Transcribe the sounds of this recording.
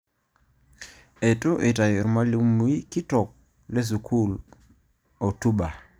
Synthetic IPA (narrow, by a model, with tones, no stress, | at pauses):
e˨tʼʊ˦ʔe˨ta˨jɔ˨ɾma˦li˦mu˨˦i˦ki˦tɔ˨k̚ | lɛ˦s̬u˨kʰu˦˨l | o˨tu˦ɓa˨